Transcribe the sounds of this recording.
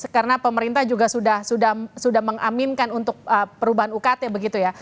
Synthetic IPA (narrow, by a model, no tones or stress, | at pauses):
əkaɾənapəməɾint̪ahd͡ʒuɡasudahsudahsudahməŋamɪnkanunt̪ʊk̚əpəɾubaɦanukat̪ebəɡit̪uja